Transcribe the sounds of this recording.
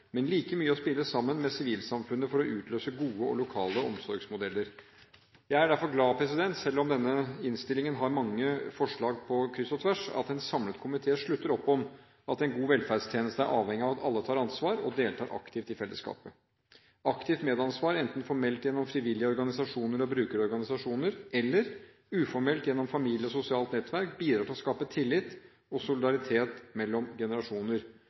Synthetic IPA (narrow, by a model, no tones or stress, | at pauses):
mɛnliːkəmyːəɔspɪlːəsɑmːənmɛsɪʋiːlsɑmfʉnːəfɔɾɔʔʉːt̪ʰløːsəɡuːəɔ̰lʊkʰɑːləɔmsɔɾɡsmʊd̪ɛlːəɾ | jæɪæɖæɾfɔɾɡlɑːpʰɾɛs̬ɪd̪ɛnt̪sɛlːɔmd̪ɛnːəɪnst̪ɪlɪŋənɦɑɾmɑŋːəfɔʂɭɑːɡ̚pʰɔkʰɾɪsɔt̪ʰʋæʂɑ̰t̪ɛnsɑmlət̪kʰʊmɪt̪ʰeːʂɭʉt̪ːəɾɔpːɔm | ɑt̪ɛnɡuːʋɛlfæɖst̪ʰjeːnəst̪əæɾʔɑːʋhɛŋːɪɑʋɑt̪ɑlːət̪ʰɑːɾɑnsʋɑːɾɔd̪eːlt̪ʰɑːɾʔɑ̰kt̪ʰɪft̪ɪfɛlːə̰skɑ̰ːpə | ɑkt̪ʰɪft̪meːd̪ɑnsʋɑːɾɛnt̪n̩fɔɾmɛlt̪jɛnːɔmfɾɪʋɪlːjəɔɾɡɑnɪsɑʂuːnəɾɔbɾʉːkəɾəɔɾɡɑnɪsɑʂuːnəɾɛlːəɾ | ʉːfɔɾmɛlt̪jɛnːɔmfɑmiːljəɔsʊsɪɑːlt̪nɛt̪ːʋæɾk̚biːd̪ɾɑːʈʰɪlɔskɑːpət̪ʰɪlːɪt̪ | ɔsʊlɪd̪ɑɾɪt̪ʰeːt̪mɛlːɔmɡɛnəɾɑʂuːnəɾ